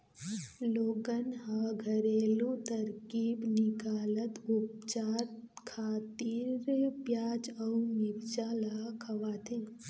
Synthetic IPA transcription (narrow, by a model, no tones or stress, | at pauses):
loːɡənɦaɡʱɐɾeːlũt̪ɐɾkiːbnikaːlət̪up̚t͡ʃaːt̪kʰaːt̪iːɾpjaːd͡ʒɐumipt͡ʃaːlakʰɐʋaːt̪ʰẽ